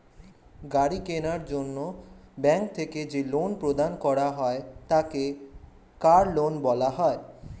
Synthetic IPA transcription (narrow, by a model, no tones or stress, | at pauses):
ɡaɾikenaɾd͡ʑonːobɛŋkt̪ʰeked͡ʑelonpɾod̪ankɔɾaɦɔet̪ake | kaɾlonbɔlaɦɔe